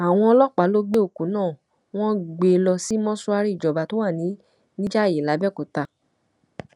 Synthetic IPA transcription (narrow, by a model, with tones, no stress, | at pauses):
a˨w̃ɔ̃˧ɔ˧lɔ˦k͡pa˨˦lo˦ɡ͡be˦o˦˨ku˨˦nãː˦˨ | w̃ɔ̃˦ɡ͡be˧˦˧lɔ˧si˦mɔ̃˦su˦a˧ɾi˦i˦˨d͡ʒɔ˨ba˨to˨˦wa˦˨nĩ˨˦ | nĩ˦d͡ʒa˦˨je˨la˨˦bɛ˦˨ko˨ta˧